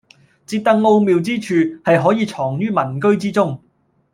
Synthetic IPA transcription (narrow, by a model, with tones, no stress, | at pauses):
t͡siː˧p̚t̪ɐ˥k̚ŋo˧wmiː˨wt͡siː˥t͡ʃʰyː˨hɐ˨jɦɔː˨˥jiː˨˧t͡sʰɔː˨˩ŋɥyː˥mɐ˨˩nkɵ˥ɥt͡siː˥t͡sʊ˥ŋ